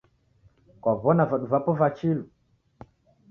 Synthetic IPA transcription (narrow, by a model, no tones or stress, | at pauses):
kwaβɔnavaɗuvapɔvat͡ʃilu